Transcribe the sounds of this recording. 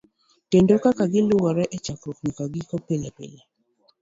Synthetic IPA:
kendokakaɡɪlʊwɔɾɛʔɛt͡ʃakɾokɲɔkaɡɪkɔpelapḛla

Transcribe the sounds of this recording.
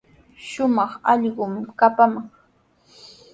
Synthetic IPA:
ʃʊmɑχɑʎɢʊmkapamɑŋ

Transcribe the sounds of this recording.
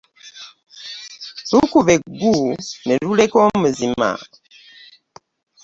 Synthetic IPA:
lukuβeɡuneɾulekomuzima̰

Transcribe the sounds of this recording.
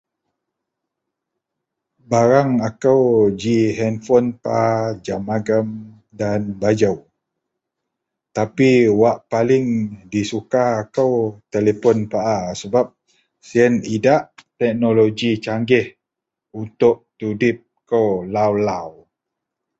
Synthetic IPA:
baɾaŋakəwd͡ʒiɦɛnfɔnpad͡ʒamaɡəm | danbad͡ʒəw | t̪apiwaʔpalɪŋdisukaːkəwt̪elepɔnpaʔasəbap̚ | siənidaʔt̪ɛk̚noloɡit͡ʃaŋɡɪh | unt̪ʊʔt̪udɪp̚kəwlawlaw

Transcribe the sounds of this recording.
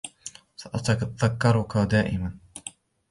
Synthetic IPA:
saʔat̪aðakːɑɾˤʊkad̪aːʔɪman

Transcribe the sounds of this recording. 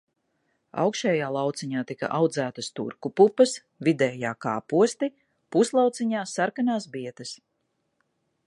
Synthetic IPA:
a̰wkʃɛːjaːlˠɑwt̪siɲaːt̪ika̰ʔawd̪zæːt̪ɐst̪ṵɾkupupɐs | vid̪ɛːjaːkaːpuɔst̪i | puslˠɑwt̪siɲaːsːaɾkanaːsbiɛt̪ɐs

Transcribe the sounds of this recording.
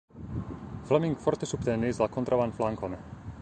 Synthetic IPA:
flamiŋkfɔɾt̪isupt̪ɛnizlakɔnt̪ɾavanflaŋkɔnɛ

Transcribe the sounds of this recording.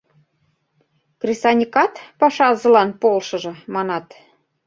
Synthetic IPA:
krisɑnʲikɑt̪pɑʃɑzɤ̆lɑnpolʃɤ̆ʒɤ̆mɑnɑt̪

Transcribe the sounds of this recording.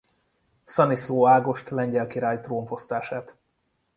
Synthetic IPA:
sɒnisoːaːɡo̞ʃt̪lɛɲɟɛlkiɾaːjt̪roːɱfo̞st̪aːʃaːt̪

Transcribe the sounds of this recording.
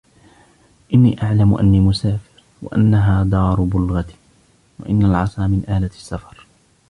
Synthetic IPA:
ʔɪnːḭːʔaʕlamʊʔa̰nːiːmʊsaːfɪɾ | wa̰ʔa̰nːaɦaːd̪ˤɑːɾˤʊbʊlɣat̪ | wa̰ʔɪnːalʕɑsˤɑːmɪnʔaːlḁsːafɑɾˤ

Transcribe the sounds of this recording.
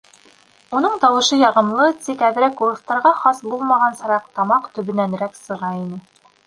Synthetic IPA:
unɤɴt̪ɑwɤ̆ʃɤjɑʁɤ̆mlˠɤt̪ikæðɘ̆ɾækuɾɤ̆st̪ɑɾʁɑχɑsbulˠmɑʁɑnsɤ̆ɾɑq̚t̪ɑmɑqt̪ɵ̆βɘ̆næn̆ɾæksɤ̆ʁɑinɘ

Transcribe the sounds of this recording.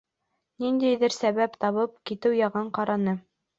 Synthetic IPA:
nind̪æjðɘɾsæβæpt̪ɑβɤp̚kit̪ɘwjɑʁɤɴqɑɾɑnɤ

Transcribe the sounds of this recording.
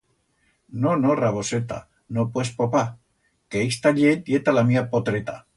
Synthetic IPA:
nonoraβoset̪a̰ | nopwespopa | keist̪aʎejet̪alamiapot̪ɾet̪a̰

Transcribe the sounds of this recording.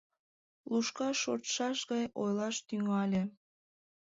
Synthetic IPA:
luʃkɑʃo̰ɾt̪ʃɑʃɣɑjo̰jlɑʃt̪yŋɑlʲĕ

